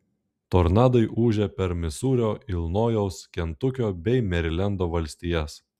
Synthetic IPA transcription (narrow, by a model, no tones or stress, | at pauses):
t̪oːɾnɑːd̪ɐɪʔuːʒʲɛpʲɛɾmʲɪsuːɾʲoːɪlˠnoːjɛʊskʲɛnt̪ʊkʲoːbʲɛɪmʲɛɾʲɪlʲɛnd̪oːʋɐlʲsʲt̪ʲijɛs